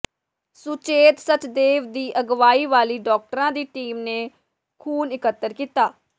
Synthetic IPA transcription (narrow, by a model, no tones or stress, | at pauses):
sʊt͡ʃeːt̪sət̪d̪eːʋd̪iːʔəɡʋaːiːʋaːliːɖɔːk̚ʈəɾãːd̪iːʈiːmneː | kʰuːnɪkət̪ːəɾkiːt̪aː